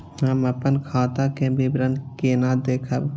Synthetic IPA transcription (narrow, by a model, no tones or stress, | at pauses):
ɦɐməpənkʰaːt̪akẽbʱibɾənkeːnaːd̪eːkʰəb